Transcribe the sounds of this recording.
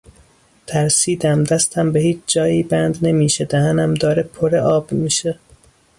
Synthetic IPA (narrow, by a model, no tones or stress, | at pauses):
t̪ʰæɾsiːd̪æmd̪æst̪ʰæmbehiːt͡ʃʰd͡ʒɒːjiːbænd̪ne̞miːʃed̪æhænæmd̪ɒːɾepʰoɾeʔɒːbmiːʃe